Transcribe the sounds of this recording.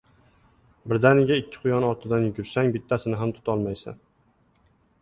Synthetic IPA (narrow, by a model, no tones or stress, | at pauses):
bɪɾd̪anɪɡʲaɪkʲʰːɪ̥qʰʊjɒnɒɾt̪ʰɪd̪anjɡʲʊɾsaŋbɪt̪ʰːasɪnɪɦamt̪ʰʊ̥t̪ʰɒlˠmajsa̰n